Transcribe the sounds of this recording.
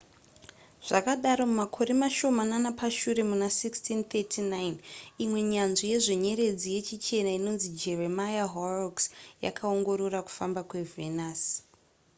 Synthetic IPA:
ʐ̥akaɗaɾo̞mumakʰo̞ɾe̞maʃo̞mananapaʃuɾe̞munasikstint̪etʰinajinimwe̞ɲanʐije̞ʐeɲe̞ɾe̞d͡zije̞t͡ʃit͡ʃe̞naino̞nzid͡ʒe̞remajaɦoroksja̰kʰao̞ŋɡo̞ɾo̞raku̥fambakwe̞venas

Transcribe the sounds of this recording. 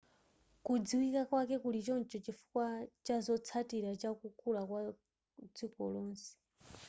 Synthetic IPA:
kud͡ziwikakwakɛkulit͡ʃɔnt͡ʃɔt͡ʃifu̥kwat͡ʃazɔt͡sʰatiɾat͡ʃakukʰulakwa | d͡zikɔlɔːnsɛ̥

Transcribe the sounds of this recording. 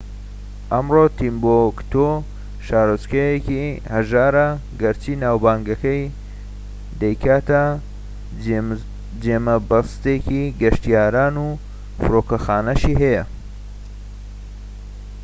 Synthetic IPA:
ʔɐmroːt̪ʰimbokt̪ʰo | ʃaːɾɨskɐjekihɐʒaːɾɐɡɐɾt͡ʃiːnaːwbaːŋɡɐkɐj | d̪ɐjkʰaːt̪ɐ | d͡ʒeːmɐbɐst̪eːkiɡɐʃt̪ijaːɾaːnuː | fɨɾoːkɐxaːnɐʃiɦɐjɐ

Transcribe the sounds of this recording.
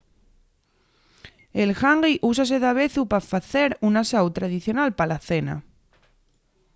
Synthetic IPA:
elxaŋɡiʔusas̬eðaβe̞θupafaθeɾunasawt̪ɾað̞iθjonalpalaθena̰

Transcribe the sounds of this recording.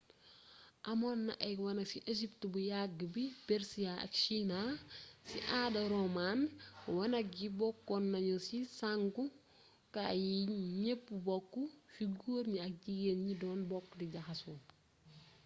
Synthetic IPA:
ʔɐmonːɐ̰ʔɐwɐnɐksiʔeʃiptbujaɡːəbibeɾsiaɐ̰kʃinasiʔaːdɐɾomanwɐnɐk̚jibɔkːɔnːɐɲosisaŋku | kajiɲepːubɔkːufiɡuɾɲiɐk̚ɟiɡenɲidɔːnbɔkːdiɟɐxɐswɔn

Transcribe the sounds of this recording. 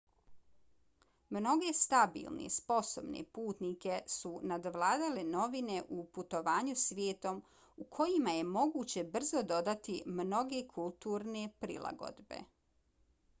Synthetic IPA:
mno̞ɡe̞st̪abḭːlˠnḛspo̞so̞bnḛpuːt̪nike̞sunad̪ʋlˠaːd̪aleno̞ʋine̞ʔuput̪o̞ʋaːɲusʋʲjeːt̪o̞m | ukʰo̞jimaje̞mo̞ɡuːt͡ɕe̞br̩zo̞d̪o̞d̪at̪imno̞ɡe̞kʰulˠt̪uːɾne̞pɾḭlˠa̰ɡo̞̰d̪be̞̰

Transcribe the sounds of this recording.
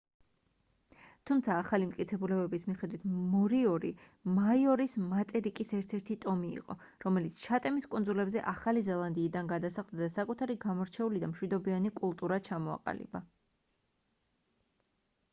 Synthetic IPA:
t̪ʰumt̪sʰaːχalimt̪ʼkʼit̪sʰɛbulɛbɛbismiχɛd̪wit̪ʰmɔɾiɔɾi | majɔɾismat̪ʼɛɾikʼisɛɾt̪ʰɛɾt̪ʰit̪ʼɔmḭːqʼɔ | ɾɔmɛlit̪sʰt͡ʃʰat̪ʼɛmiskʼund̪zulɛbzɛʔaχalizɛlˠand̪iːd̪anɡad̪asaχd̪ad̪asakʼut̪ʰaɾiɡamɔɾt͡ʃʰɛulid̪amʃwid̪ɔbianikʼulˠt̪ʼuɾat͡ʃʰamɔa̰qʼa̰lḭba

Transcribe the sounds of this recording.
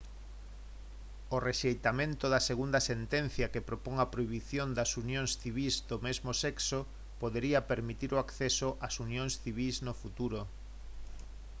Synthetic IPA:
oreʃejt̪amẽnt̪oðɐseɣund̪ɐsent̪ɛn̟θjɐkepɾopoŋɐpɾoiβiθjond̪ɐsunjoŋsθiβizd̪omezmosɛkso | poðeɾiɐpeɾmit̪iɾoakθɛsoʔasunjoŋsθiβ̞iznofut̪uɾo

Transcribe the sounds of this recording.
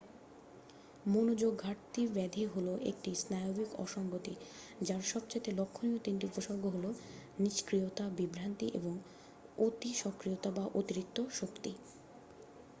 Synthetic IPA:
monod͡ʑoɡʱaɾt̪ibɛd̪ʱeɦoloʔḛk̚ʈisnajoɡikɔ̰ʃɔŋbot̪i | d͡ʑaɾʃɔbt͡ɕat̪elokʰːoniot̪int̪iupoʃoɾɡoɦoloniʃkɾiot̪abibɾant̪iʔeboŋ | ot̪iʃɔkɾijot̪abaʔot̪iɾik̚t̪oʃokt̪i

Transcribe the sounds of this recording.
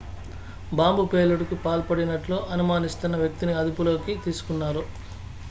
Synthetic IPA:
baːmbupe̞ːluɽikipaːlpɐɽinɐʈloːʔɐnumaːnist̪unːɐʋjɐk̚t̪iniɐd̪upulo̞ːkit̪iːsu̥kunːaːɾu

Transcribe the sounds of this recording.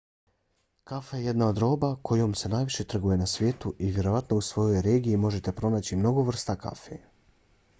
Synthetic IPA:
kafajeje̞d̪nao̞d̪ɾo̞ːbakʰo̞jo̞mse̞naːjʋiʃe̞t̪r̩ɡuje̞nasʋʲje̞ːt̪uʔiʋʲje̞ɾoʋat̪no̞usʋo̞jo̞jɾe̞ːɡiimo̞ʒe̞t̪e̞pɾo̞naːt͡ɕimno̞ɡo̞ʋr̩st̪aka̰fḛ

